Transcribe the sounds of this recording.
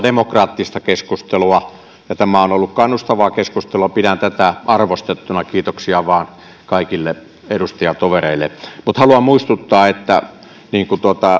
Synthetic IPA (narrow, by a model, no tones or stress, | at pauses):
demokrɑːt̪ːist̪ɑkeskust̪eluɑ | jɑt̪æmæonolːukkɑnːust̪ɑʋɑːkeskust̪eluɑpidænt̪æt̪æʔɑrʋost̪et̪ːunɑkiːt̪oksiɑʋɑːn | kɑˑikilːe | edust̪ɑjɑt̪oʋereˑilːḛmut̪hɑluɑmmuist̪ut̪ːɑːet̪ːæ̰ | niːŋkut̪uot̪ɑ